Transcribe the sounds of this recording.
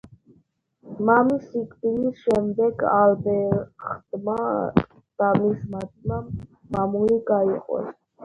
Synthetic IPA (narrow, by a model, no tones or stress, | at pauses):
mamisikʼd̪inisʃɛmd̪ɛɡalbɛχd̪ma | d̪̥amismat̪ʰʼma | mamuiɡaiqʼɔ̰s